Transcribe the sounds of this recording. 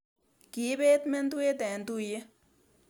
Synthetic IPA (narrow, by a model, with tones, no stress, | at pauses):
ki˨˦beː˦t̪me˦nd̪u˦e˦d̪ɛ˨nd̪u˦je˦